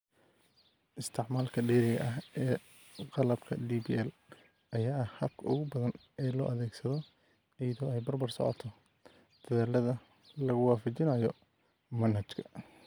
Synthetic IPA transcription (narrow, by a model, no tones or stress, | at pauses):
ʔɪst̪ʰɪʕmaːlkʰɐɖiːɾɪɣɐ̰ʔɐɦʔɛː | qɑlɐbkʰɐd̪iːbiːɛl | ʔɐjaːɐhhɐb̚kʰɐʔʊɣʊbɐðɐn | ɛːlɔ̰ːʔɐðɛːɡsɐðɔ | ɪjɐðɔːɛjbɐrbɐrsɔ̰ʕɔ̰t̪ʰɔ | d̪̥ɐðaːlɐðɐ | lɐɣʊwɑːfɐt͡ʃɪnɐjɔ | mɐnhɐt͡ʃkʰɐ̥